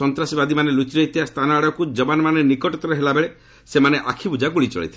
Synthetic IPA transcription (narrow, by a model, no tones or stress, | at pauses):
ɔnt̪ɾasibad̪imanelut͡ʃɾeit̪iast̪ʰanaɽɔkud͡ʒɔbanɔmanenikɔʈɔt̪ɔɾeɦelabeɭe | semaneʔakʰibud͡ʒakuɭit͡ʃɔ̰ɭḭt̪ʰil